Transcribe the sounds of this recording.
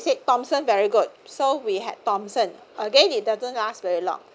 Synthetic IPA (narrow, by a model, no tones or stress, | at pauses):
setɔ̃msə̃nvɛɹiɡud̚sowiɦɛ̰d̚tɔ̃msə̃n | ʔəɡẽnit̚dazə̃nlastvɛɹilɔ̰̃ŋ